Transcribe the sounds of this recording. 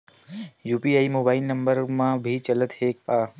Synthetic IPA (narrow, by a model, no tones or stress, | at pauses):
jupiaimobailnəmbəɾmãbʱit͡ʃələt̪heka